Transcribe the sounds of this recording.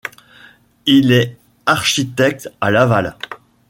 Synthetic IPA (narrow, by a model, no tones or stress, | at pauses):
ilɛ | aʁʃit̪ɛk̚t̪alaval